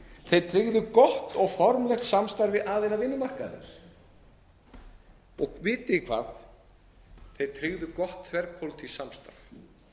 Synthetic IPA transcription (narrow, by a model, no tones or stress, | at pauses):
θejðt̪ʰɾɪɣðʏkɔht̪ɔɣfɔɾmlɛxt̪samst̪aɾvɪðʔaðejnavɪnːʏmar̥ka̰ðɪ̰s | ɔ̰ɣvɪːt̪ɪɪkʰva̰ːð | θejðt̪ʰɾɪɣðʏkɔht̪ʰvɛɾpʰowlt̪ʰɪlsamst̪a̰ɾ̥